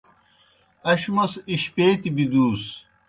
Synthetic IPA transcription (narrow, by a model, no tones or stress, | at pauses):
ɐɕmɐsiɕpeːt̪ibid̪uːs